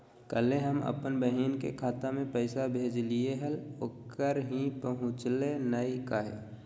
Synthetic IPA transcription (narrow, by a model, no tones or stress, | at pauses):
kəleɦəmə̰pənbəɦiːnkḛkʰaːt̪amẽpəɪsabʱeːd͡ʒlieɦəlokːəɾɦĩpəɦʊ̃t͡ʃlenəikaɦḛː